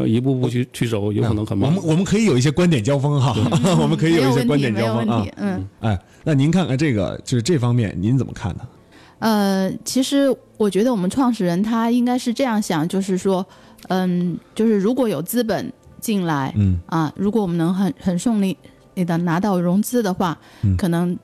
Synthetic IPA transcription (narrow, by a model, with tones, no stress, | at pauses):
i˧˥pu˥˧pu˥˧t͡ɕʰy˥˧t͡ɕʰy˥˩ʂo˨˧˥ʊjo˧˥ʊ˧˨˩n˧˥ŋkʰɤ˨˩mɔ˨˧mə˦nwɔ˨˩mə˦kʰɤ˧˥i˧˥jo˨˩ʊi˥˩ɕjɛ˥kwa˥nt̪jɛ˨˩nt͡ɕjɑ˥ʊfɤ˥ŋxɑ˥˧wɔ˨˩mə˦kʰɤ˧˥i˧˥jo˨˩i˥˧˩ɕjkwa˥nt̪jɛ˨˩njɑ˥ʊ˧fɤ˥ŋ˥˧ə˥˧i˧˩˥n̩˥˧a˥˩ɪ | na˥˩ni˧˥nkʰa˥˩nʔa˧ʈ͡ʂɤ˥˩ɡə̰˩t͡ɕjo˥˧ʊʂɻ̩˥˧ʈ͡ʂɤ˥˩fɑ˥ŋmjɛ̰˥˩nni˧˥nt͡sə˨˩mə˦kʰa̰˥˩nd̪ə˩ | ə˧t͡ɕʰi˧˥ʂɻ̩˧˥wɔ˨˩t͡ɕɥɛ˧˥d̪ə˧wɔ˨˩mə˦nʈ͡ʂʰwɑ˥˧ŋʂɻ̩˥˩ɻə˧˥nt̪ʰa˥i˥ŋka˥ɪʂɻ̩˥˧ʈ͡ʂɤ˥˧jɑ˥˩ŋɕjɑ˨˩ŋt͡ɕjo˥˧ʊʂɻ̩˥˩ʂwɔ˥ | ə˥˩t͡ɕjo˥˧ʊʂɻ̩˥˩ɻu˧˥kwɔ˧˥jo˨˩ʊt͡sɹ̩˥˩p̬ə̰˨˩˦nt͡ɕi˥˩nla˧˥ɪ˥˩ɐ˧ɻu˧˥k̬wɔ˧˥wɔ˨˩mə˦nɤ˧˥ŋxə˨˩nxə˨˩nʂʊ˥˧ŋli˥˩ | i˧˩d̪ə˩na˧˥t̪ɑ˥˩ʊɻʊ˧˥ŋt͡sɹ̩˥d̪ə˨xwa˥˩˥kʰɤ˨˩nɤ˧˥ŋ